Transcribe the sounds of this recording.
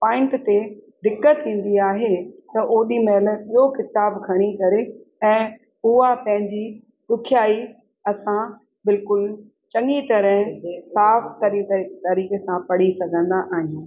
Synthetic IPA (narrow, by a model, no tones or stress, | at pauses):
pãːɪ̃ɳʈt̪ed̪ɪkːət̪ĩːn̆d̪iaːɦet̪ɐʔoːɗimɛːlɓijokɪt̪aːbkʰɐɽ̃ikɐɾeɛ̃ː | ʊɦapɐ̃ɦɪ̃ɲd͡ʑi | ɗʊkʰjaːi | ɐsã | bɪlkʊl | t͡ɕɐŋit̪ɐɾə̃ɦsaːft̪ɐɾit̪ɐɾiːkesãpɐɽ̤isɐɡʱə̃nd̪aʔaːɦijũː